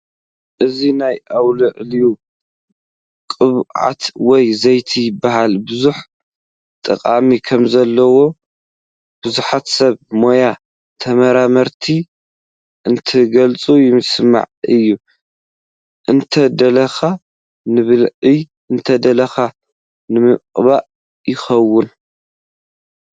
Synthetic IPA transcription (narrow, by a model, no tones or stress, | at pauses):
ʔɨzinajʔawlɨʕliju | kʼɨβʕa̰t̪wɔjzɐjt̪ʰijɪbːaɦalbɨzuħ | t̪ʼɐ̰kʼamikʰɐmzɐlːɐwo̞ | b̥ɨzuħat̪sɐβmo̞ja | t̪ʰɐmɐɾamɐɾt̪ʰi | ʔɨnt̪ʰɨɡɐlt͡sʼujɪmɨsma̰ʕɨjːu | ʔɨnt̪ʰɐd̪ɐlɐxa | nɨβlɨj | ɨnt̪ʰɐd̪ɐlɐxa | nɨmɨqʼβaʔ | jɪxɐwːʊn